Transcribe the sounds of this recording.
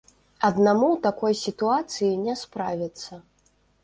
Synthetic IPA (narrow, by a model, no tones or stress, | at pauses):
ɐd̪namut̪akɔjsʲit̪uat̪sɨjinʲɛspɾavʲit̪sːɐ